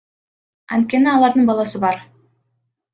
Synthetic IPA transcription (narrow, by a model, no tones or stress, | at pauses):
ɑ̰nt̪̚kʲe̞niɑlˠɑɾd̪ɯɴbɑlˠɑsɯbɑɾ